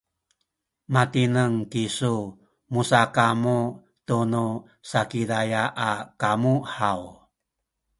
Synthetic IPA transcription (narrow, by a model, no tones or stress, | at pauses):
matinəŋkisu | musakamu | t̪unu | sakidajaʔakamuhaw